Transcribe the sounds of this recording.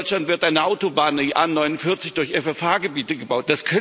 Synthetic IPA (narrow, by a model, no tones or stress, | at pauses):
t͡ʃlantv̥ɪɐtʔaɪnəʔaʊtobaːniʔaːnːɔʏnʊnfɪɐt͡sɪçd̥ʊɐçɛfɛfaːɡəbiːtəɡəbaʊt̚d̥askʰœ